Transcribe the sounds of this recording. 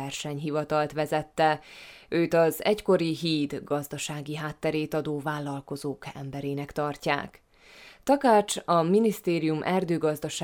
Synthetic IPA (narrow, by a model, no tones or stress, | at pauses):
ɛrʃɛɲɦivɒt̪ɒlt̪ʋɛzɛt̪ːɛøːt̪ɒzɛcko̞ɾiɦiːd̪ɡɒzd̪ɒʃaːɡiɦaːt̪ːɛɾeːt̪ɒd̪oːvaːlːɒlko̞zoːkɛ̰mbɛɾeːnɛkt̪ɒrca̰ːk | t̪ɒkaːt͡ʃɒminist̪eːɾijumʔɛrd̪øːɡɒzd̪ɒʃa